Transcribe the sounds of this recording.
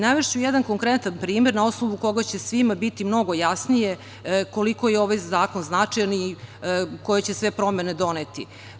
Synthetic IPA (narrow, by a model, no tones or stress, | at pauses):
naʋeʂt͡ɕujɛd̪ankoŋkɾet̪anpɾiːmeɾnao̞snoʋuko̞ɡat͡ɕe̞sʋimabit̪imno̞ɡo̞jasnije | ko̞likojeo̞ʋajzaːko̞nznat͡ʂajani | ko̞jet͡ɕesʋe̞pɾo̞mened̪o̞net̪ḭ